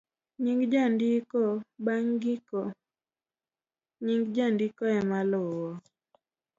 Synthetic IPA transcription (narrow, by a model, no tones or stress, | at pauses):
ɲiŋɡd͡ʒandikɔbaŋɡikɔ | ɲiŋɡd͡ʒandikɔɛmalʊwɔ